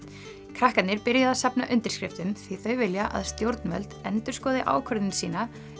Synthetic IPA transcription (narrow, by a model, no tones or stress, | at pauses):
kʰɾahkat̪nɪɾpɪɾjaðaðsapnaʔʏnt̪ɪɾ̥skɾɪft̪ʏmθiθœɥvɪljaʔa̰ðst̪jowɾt̪nvɛ̰lt̪ɛnt̪ʏ̥skɔːðɪʔa̰ːwkʰœɾðɪnsiːna